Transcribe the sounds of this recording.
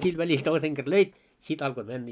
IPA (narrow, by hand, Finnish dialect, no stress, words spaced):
sil ʋælil toiseŋ ɡ̊er løit sit ɑlko mænːæ